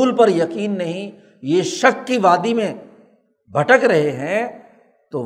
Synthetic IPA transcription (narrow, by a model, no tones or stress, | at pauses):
uːlpɐɾjɐqiːnːɐɦĩ | jeːʃɐkːiʋaːd̪imẽ | bʱɐʈəkɾɐɦeɦɛ̃ | t̪oː